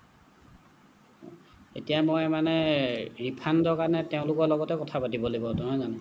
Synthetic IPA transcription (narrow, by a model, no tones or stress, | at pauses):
etijamojmanɛɹipʰandɔɹkanɛteʊ̃lʊkɔɹlɔɡɔtɛkɔtʰapatibɔlebɔtɔzanʊ̃